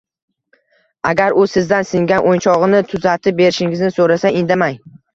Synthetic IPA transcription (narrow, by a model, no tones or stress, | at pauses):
aɡʲaɾʊsɪzd̪ansɪŋɡʲanʔont͡ʃʰɒʁɨnɪt̪ʰʊzat̪ʰɪp̚be̞ɾɪʃɪŋɪznɪsoɾasaɪnd̪amaj